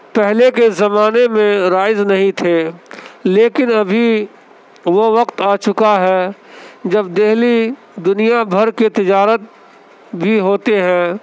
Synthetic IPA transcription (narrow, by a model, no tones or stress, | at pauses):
pɛɦlekezɐmaːnemẽɾaːɪznɐɦĩt̪ʰeːleːkɪnɐbʱi | ʋoʋɐqt̪aːt͡ʃʊkaɦɛːd͡ʒɐbd̪ɪɦli | d̪ʊnijabʱɐɾket̪ɪd͡ʒaːɾət̪̚ | bʱiɦoːt̪eɦɛ̃ː